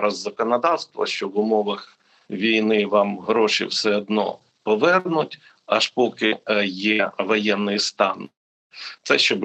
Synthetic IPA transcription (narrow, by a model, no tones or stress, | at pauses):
ɾɐzːɐkɔnɐd̪ɑwst̪ʋɐ̰ʃt͡ʃɔʋʊmɔʋɐx | ʋʲijnɪʋɑmɦɾɔʃḭwsɛɔd̪̚nɔ̰ | pɔʋɛrnʊtʲ | ɐʃpɔkɪjɛʋɔjɛnːɪjst̪ɑn | t̪sɛʃt͡ʃɔb